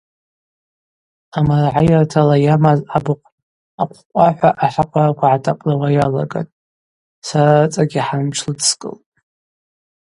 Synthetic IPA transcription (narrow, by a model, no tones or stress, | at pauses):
amarʕajartʰalajamazabɨqʷʼ | apʷʰqʷʼaħʷaʔaħʷaqʷʼarakʷʰaʕatʰʼapʼlawajala̰ɡa̰tʼ | saɾat͡sʼaɡʲiħanmʈ͡ʂʰlɨtskʼɨ̰ltʼ